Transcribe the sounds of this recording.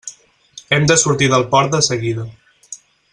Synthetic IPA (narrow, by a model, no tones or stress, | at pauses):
ɛmd̪əsuɾt̪iðəlˠpɔɾt̪̚d̪əsəɣiðə